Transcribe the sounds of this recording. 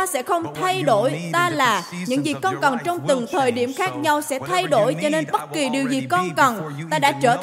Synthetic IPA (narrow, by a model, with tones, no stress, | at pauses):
a˧sɛ̰˧˥xə˧wŋ͡mt̪ʰa˧jɗo̰˧˥jt̪aː˧laː˨˩ɲɨ̰˧˥ŋzi˨˩kːɔ˧nkə˨˩nt͡ɕɔ˧wŋ͡mt̪ɨ˨˩ŋt̪ʰəː˨˩jɗi˧˩əmxaː˦˥k̚ɲa˧wsɛ̰˧˥t̪ʰa˧jɗo̰˧˥jt͡ɕɔ˧ne˧nɓə˦˥t̚ki˨˩ɗi˨˩əwzi˨˩kɔ˧nkə˨˩nt̪aː˧ɗa̰ː˧˥t͡ɕəː˧˩